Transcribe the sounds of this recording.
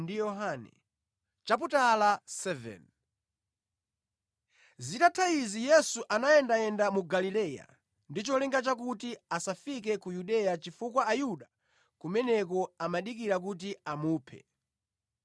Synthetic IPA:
ndijɔɦanɛ̰ | t͡ʃap̬utalasɛvɛ̰n | zitatʰaizijɛsuʔanajɛndaɛndamuɡalilɛja̰ | ndit͡ʃɔlɛŋɡat͡ʃakutiasafik̬ɛkujuɗɛjat͡ʃifukwaːjuɗa | kumɛnɛkɔamaɗik̬iɾak̬ut̬iamuːpʰɛ̰

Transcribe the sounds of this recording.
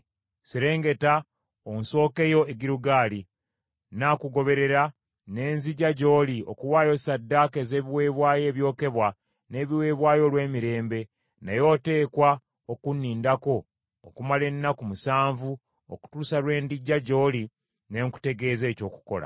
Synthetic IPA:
seɾe̞ːŋɡe̞ta | onso̞ːke̞jo̞eɡiɾuɡaːli | nakuɡo̞βe̞ɾe̞ɾa | ne̞ːnziɟaɟo̞ːlio̰kuwaːjo̞sadːake̞ze̞ːβiweːβwaːje̞ːβjo̞ːke̞βwa | ne̞ːβiwe̞ːβwaːjo̞lwe̞ːmiɾe̞ːmbe̞ | najo̞ːte̞ːkwa | okunːiːndako̞̰ː | kumale̞nːakumusaːɱvu | o̰ku̥tuːsalwe̞ːndiɟːaɟo̞ːli | ne̞ŋku̥te̞ɡe̞ːze̞ːco̞ːku̥ko̞̰la̰

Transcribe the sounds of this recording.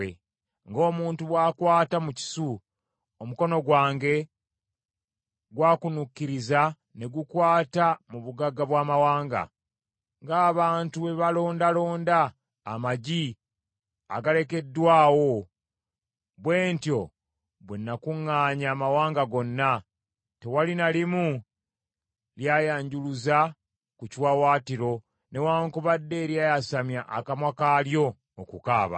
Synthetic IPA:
e | ŋɡo̞ːmuːntuβwaːkwaːtamuci̥su | omuko̞no̞ɡwaːŋɡe̞ | ɡwaːkunukːiɾiza | ne̞ɡukwaːtamuβuɡaɡːaβwaːmawaːŋɡa̰ | ŋɡaːβaːntuβe̞βalo̞ːndalo̞ːndaː | maɟi | a̰ɡale̞ke̞dːwaːwo̞ | βweːntjo̞ | βwenːakuŋːaːɲaːmawaːŋɡaɡo̞nːa | te̞walinalimu | ljajaːɲɟuluza | kucwawaːtiɾo̞ | ne̞waːŋkuβadːe̞ːɾjajasamjaʔa̰kamwakaljo̞ː | kukaːβa̰

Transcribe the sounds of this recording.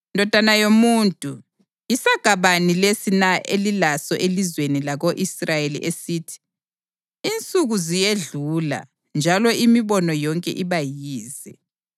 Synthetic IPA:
ndʱɔd̥ʱanajomuːntʼu | jisaɡ̥ʱaβanilesinaʔelilasɔʔelizwenilaɣoʔisrajelḭʔesiːtʰi̥ | int͡sʼuɣuzijeɮuːla̰ | nd͡ʒʱalɔʔimiβɔnɔjɔŋkʼɛ̰ʔiβajiːzɛ

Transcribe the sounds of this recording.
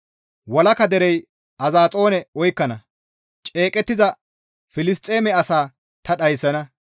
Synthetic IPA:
wɔlɐkɐd̪ɛɾɛj | ɐzaːt͡sʼo̞ːnɛɔjkːɐnɐ | t͡ʃʼeːkʼɛt̪ːɪzɐ | fɪlɪs̬t̪ʼːe̞ːmɛɐsaː | t̪ɐɗɐjsːɐnɐ

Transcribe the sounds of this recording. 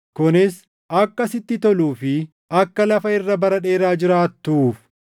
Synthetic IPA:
kʊnɪs | ɐkːɐsɪt̪ːɪt̪ɔluːfɪ | ɐkːɐlɐfɐɪrːɐbɐɾɐᶑe̞ːɾaːd͡ʒɪɾaːt̪ːuːf

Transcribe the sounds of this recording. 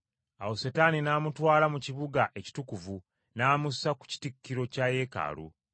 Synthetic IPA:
a̰wosetaninaːmutwaːlamuciβuɡaʔe̞ci̥tukuvu | naːmusaku̥ci̥tikːiɾo̞caje̞ːka̰ːlṵ

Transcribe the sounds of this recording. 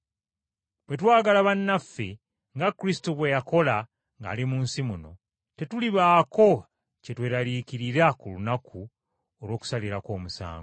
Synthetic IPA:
βwe̞t̬waːɡalaβanːafːḛ | ŋɡakɾisi̥toβwe̞jako̞la | ŋɡa̰ːlimuːnsimuno̞̰ | te̞tuliβaːko̞ | ce̞twe̞ːɾalikiɾiɾakulunakʰu | olwo̞ːku̥saliɾako̞ːmusa̰ːŋɡo

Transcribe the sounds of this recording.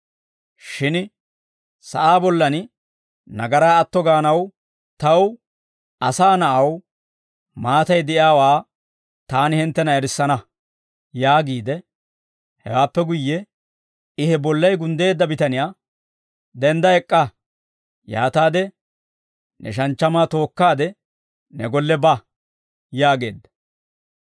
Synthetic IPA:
ʃɪn | sɐ̰ʔaːbɔlːɐn | nɐɡɐɾaːɐt̪ːɔɡaːnɐw | t̪ɐw | ɐsaːnɐʔɐw | maːt̪ɐjd̪ɛʔjaːwaː | t̪aːnɪhɪnt̪ːɛnɐɛɾɪsːɐnɐ | jaːɡiːd̪ɛ | hɛ̰waːpːɛɡʊjːɛ | ɪhɛbɔlːɐjɡʊnd̪e̞ːd̪ːɐbɪt̪ɐnɪjaː | d̪ɛnd̪ɐɛkʼːɐ | ja̰ːt̪aːd̪ɛ | nɛ̰ʃ̬ɐnt͡ʃːɐmaːt̪o̞ːkːaːd̪ɛ | nɛɡɔlːɛbɐ | jaːɡe̞̰ːd̪ːɐ̥

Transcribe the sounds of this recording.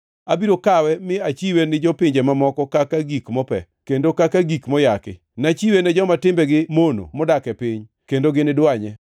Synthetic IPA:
abiɾokawɛmɪat͡ʃiwenɪd͡ʒɔpɪɲd͡ʒemamɔkɔkakaɡikmɔpɛ̰ | kendokakaɡikmɔjakɪ̰ | nat͡ʃiwenɛd͡ʒɔmatɪmbɛɡɪmono̰mɔdakɛpɪɲ | kendoɡɪnɪdwaɲɛ

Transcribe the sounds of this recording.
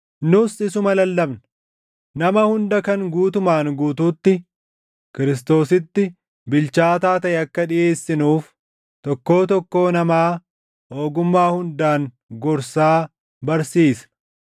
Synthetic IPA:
nʊsɪsʊmɐlɐlːɐbnɐ̥ | nɐmɐhʊnd̪ɐkɐŋɡuːt̪ʊmaːŋɡuːt̪uːt̪ːɪ | kɪɾɪs̬t̪o̞ːsɪt̪ːɪ | bɪlt͡ʃaːt̪aːt̪ɐʔɛɐkːɐᶑɪʔe̞ːsːɪnuːf | t̪ɔkːo̞ːt̪ɔkːo̞ːnɐmaː | hoːɡʊmːaːhʊnd̪aːŋ | ɡɔɾsaː | bɐɾsiːsɐ̥

